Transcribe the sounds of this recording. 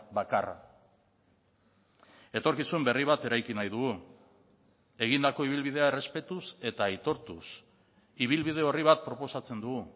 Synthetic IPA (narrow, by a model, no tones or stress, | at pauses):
bakara̰ | e̞t̪o̞ɾkisumbe̞riβ̞at̪e̞ɾajkinajðuɣu | e̞ɣind̪ako̞iβ̞ilβið̞e̞aere̞spe̞t̪use̞t̪ajt̪o̞ɾt̪us | iβ̞ilβiðe̞o̞riβ̞at̪̚pɾo̞po̞sat͡se̞nd̪uɣu